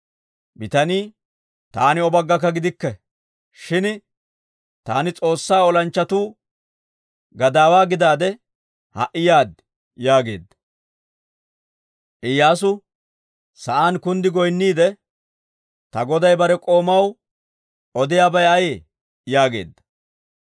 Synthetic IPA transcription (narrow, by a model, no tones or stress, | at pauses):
bɪt̪ɐniː | t̪aːnɪɔbɐɡːɐk̬ːɐɡɪd̪ɪkːɛ | ʃɪn | t̪aːnɪt͡sʼo̞ːsːaːɔlɐnt͡ʃːɐt̪uː | ɡɐd̪aːwaːɡɪd̪aːd̪ɛ | hɐ̰ʔɪjaːd̪ | jaːɡe̞̰ːd̪ːɐ̥ | ʔɪjːaːs̬ʊ | sɐʔaːnkʊnd̪ɪɡɔjnːiːd̪ɛ | t̪ɐɡɔd̪ɐjbɐɾɛkʼo̞ːmɐw | ʔɔd̪ɪjaːbɐjɐjeː | jaːɡe̞̰ːd̪ːɐ̥